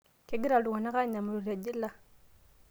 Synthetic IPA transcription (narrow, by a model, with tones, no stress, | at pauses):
ke˦ɡi˦ɾa˨du˨ŋa˨na˦ka˦ɲa˨mu˨ɾu˨ɾa˨d͡ʒi˦lːa˦